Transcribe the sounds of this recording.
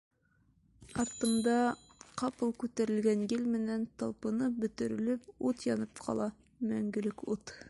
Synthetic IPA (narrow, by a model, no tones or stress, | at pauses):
ɑɾt̪ɤ̆md̪ɑqɑpɤlˠkʉt̪æɾɘ̆lɡænjɘlmɘ̆nænt̪ɑlˠpɤ̆nɤbɵ̆t̪ɵ̆ɾɘ̆lɘp̚ut̪jɒnɤpqʰɑ̰lˠɑ | mæŋɡɘ̆lɘkut̪